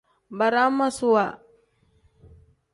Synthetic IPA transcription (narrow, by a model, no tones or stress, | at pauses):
baɾamasua